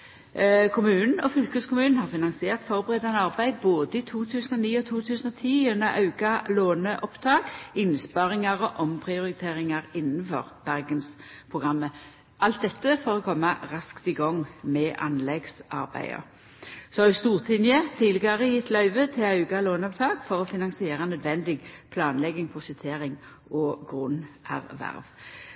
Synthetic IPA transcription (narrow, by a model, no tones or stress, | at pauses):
kʰʊmʉːnn̩ɔfʏlkəskʰʊmʉːnn̩hɑʁfɪnɑnsɪeːʁt̪fɔʁbəʁɛːd̪ɑnəɑʁbæɪd̪boːd̪əɪt̪ʰuːt̪ʰʉːsən̩ɔniːɔt̪ʰuːt̪ʰʉːsən̩ɔt̪ʰiːʉnːəʁɑʉkɑloːnəʔɔpt̪ʰɑːɡɪnspɑʁɪŋɑʁɔʔɔmpʰʁɪʊʁɪt̪ʰeːʁɪŋɑʁɪnːn̩fɔ̰ʁb̥æʁɡənspʰʁʊɡʁɑmːə | ʔɑlt̪̚d̪ɛt̪ːəfɔːʁɔkʰɔmːɑʁɑskt̪ɪɡɔŋmɛʔɑ̰nlɛɡsɑʁbæ̰ɪə̰ | sɔɑʉst̪uːʁt̪ʰɪnjət̪ʰiːlɪɡɑʁəjɪt̪ːlɑʉʋət̪ʰɪlɑʉɡɑloːnəɔp̚t̪ʰɑːɡ̥fɔʁɔfɪnɑŋsɪeːʁɑnœd̪ʋɛnd̪ɪɡpʰlɑːnlɛɡɪŋpʰʊsɪt̪ʰeːʁɪŋ | ʔɔɡʁʉnʔæ̰ʁʋæ̰ʁʋ